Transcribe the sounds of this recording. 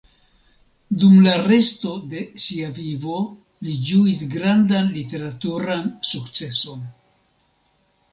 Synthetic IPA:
dumlare̞sto̞de̞ʃiavivo̞ | lid͡ʒuisɡɾandanlite̞ɾatuɾansukt͡se̞so̞n

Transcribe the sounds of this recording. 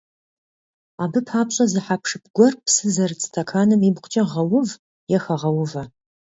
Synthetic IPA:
aːbɨpʰaːpɕʼɐzɨħapʰʂɨp̚ʰɡʷɔrpʰsɨzɐrɨt͡sʼtʰɐkʰaːnɨmiːbqʷʰt͡ʃʼɐʁɐwʊv | jɛxɐʁɐwʊvɐ

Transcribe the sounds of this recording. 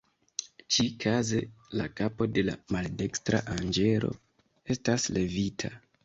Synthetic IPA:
t͡ʃikʰaze̞lakapo̞de̞la̰malde̞kstɾa̰ʔand͡ʒe̞ɾo̞̰ | e̞stasle̞vitʰa

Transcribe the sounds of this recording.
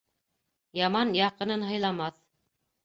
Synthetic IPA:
jɑmɑnjɑqɤ̆nɤnɦɤ̆jlˠɑmɑθ

